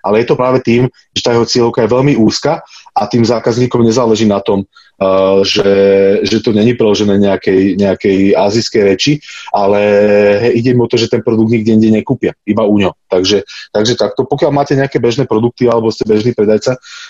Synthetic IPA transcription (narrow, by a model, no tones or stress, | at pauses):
ʔalɛjɛt̪ɔpɾaːʋɛt̪iːm | ʒɛt̪aːjɛɦɔt͡sɪɛlɔʊkajɛʋɛʎmiuːskaʔat̪iːmzaːkazɲiːkɔmɲɛzaːlɛʒiːnat̪ɔm | ʒɛʒɛt̪ɔɲɛɲipɾɛlɔʒɛnɛːɲɛakɛjɲɛakɛjaːziskɛjɾɛt͡ʃiʔalɛ | iɟɛimɔt̪ɔʒɛt̪ɛnpɾɔd̪uɡ̚d̪ɲiɡ̚dɟɛɲiːɡɟɛɲɛkuːpɪaibauɲɔʊt̪aɡʒɛt̪aɡʒɛt̪ak̚t̪ɔpɔkɪalmaːcɛɲɛakɛbɛʒnɛːpɾɔd̪uk̚t̪ialɛbɔscɛbɛʒniːpɾɛd̪ajt͡sa